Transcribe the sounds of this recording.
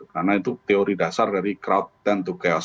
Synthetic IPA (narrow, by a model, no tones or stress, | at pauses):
karnait̪ut̪eoɾidasardaɾikɾaut̪ːɛnt̪ukɛɔs